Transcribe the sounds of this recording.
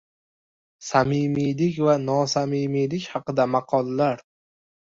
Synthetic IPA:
samɪmilɪkʲvanɒsamɪmilɪkʲhɑqɨd̪amɑqʰɒlˠːaɾ

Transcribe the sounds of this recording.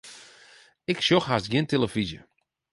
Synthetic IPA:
ɪkʃoxɦastɡjɪntelˠəfizjə̰

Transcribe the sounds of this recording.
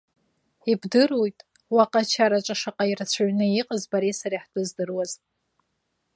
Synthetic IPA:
ibdɨrojtʼ | waqʼat͡ʃʰaɾat͡ʃʼaʂaqʼairat͡ɕʷʰaɥnɨiqʼəzbaɾesaɾiħdɨzdɨrwaz

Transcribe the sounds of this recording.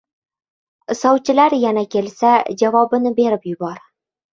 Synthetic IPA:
sɒwt͡ʃɪ̆læɾjænækʲelsæʑɒvɒbɤ̆nɘbe̞ɾɘpjʊ̆bɒɾ

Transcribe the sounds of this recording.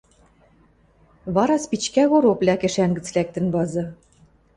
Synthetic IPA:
βɑɾɑspit͡ɕkæɣoɾoplʲækĕʃæŋɡɘ̆t͡slæk̚t̪ɘ̆nβɑzɤ̆

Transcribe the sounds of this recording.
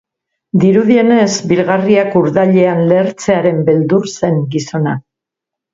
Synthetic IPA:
d̪iɾuðie̞ne̞zbilɣariakuɾðaʎe̞anle̞ɾt͡se̞aɾe̞mbe̞ld̪uɾse̞ŋɡiso̞na

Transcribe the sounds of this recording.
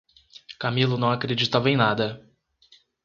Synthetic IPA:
kamilʊnɐ̃w̃akɾed͡ʒit̪avẽj̃nad̪ɐ

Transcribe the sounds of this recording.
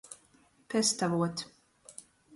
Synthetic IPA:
pʰɛst̪avoːt̪

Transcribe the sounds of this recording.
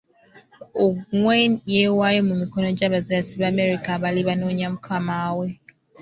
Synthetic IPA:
oŋwɛnjewajemumikɔnɔd͡ʒaβaziasibameɾikabaliβanoɲam̩kʰamawe

